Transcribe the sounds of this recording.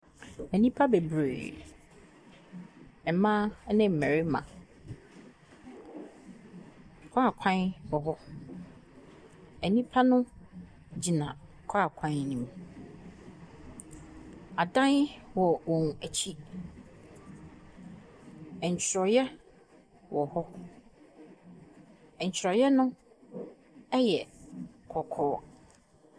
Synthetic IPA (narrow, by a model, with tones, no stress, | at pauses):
ɛ˨nĩ˦pʰa˦be˨bɾe˨ | ɛ˨mã˦nɪ̃˦m̩˨mæ̃˨ɾɪ˦mã̰˨ | kʰa˦a˨kʷʰã˦nwɔ˨ɦɔ˦ | æ˨nĩ˦pʰa˦nʊ̃˦ | d͡ʑi˨nã̰˨ | kʰa˦˨kʷʰã˦nnĩ˨m | a˨dã˦nwɔ˨wɔ̃˨næ˨t͡ɕʰi˦ | ɛ˨ɲ̩˨t͡ɕʰɪ˨ɾɔ˨jɛ˦ | wɔ˨hɔ˦ | ɛ̃˨ɲ̩˨t͡ɕʰɪ˨ɾɔ˨jɛ˦nʊ̃˦ | ɛ˦jɛ˨kʰɔ˨kʰɔː˦